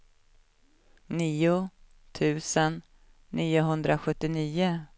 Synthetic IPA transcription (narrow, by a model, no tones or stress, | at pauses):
niːʊ | t̪ʰʉ̟ːsənː | iːʊɦɵnd̪ɾaɧɵt̪ːɪniːʊ